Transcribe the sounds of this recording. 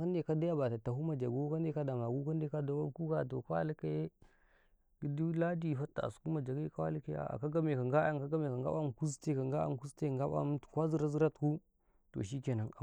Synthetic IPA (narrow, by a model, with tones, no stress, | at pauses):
ka˦nde˨ka˦da˦a˦ba˨ta˨ta˨ɦu˦ma˨d͡ʒa˨ɡo˦ka˦nde˦ka˦da˨ma˨ɡu˦ka˦nde˦ka˦da˨wa˦ku˦ɡa˨to̰˨ka˦a˦li˦ke˦ | ɡi˦di˦la˦di˦˨fa˦tːa̰˨a̰˨su̥˨ku˦ma˨d͡ʒa˨ɡi˦ka˦wa̰˦li˦kḛ˦a̰˨a̰˨ka˦ɡa˦me˨ka˨ŋɡa˦a˦ŋka˦ɡa˦me˨ka˨ŋɡa̰˦ba˦mku˦s̬te˦ka˨ŋɡa˦a̰˦m˨ku˦se˦˨ŋɡa˦ɓa̰˦m˦˨kʷa˦zi˦ɾa˦zi˦ɾa˦tku˦ | to̰˨ʃ̬i˦ke˨na˨a˨